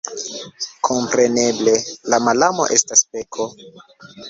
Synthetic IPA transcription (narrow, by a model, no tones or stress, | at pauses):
kʰo̞mpɾe̞ne̞ble̞lamalamo̞̰ʔe̞staspekʰo̞